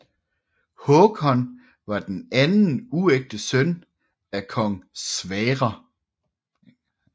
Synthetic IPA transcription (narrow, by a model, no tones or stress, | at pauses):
hɔkʰɒ̽n | ʋɑ̈d̥enænn̩ueɡ̥̚d̥əsøn | ækʰɒ̽ŋ̰sʋɛːʁɐ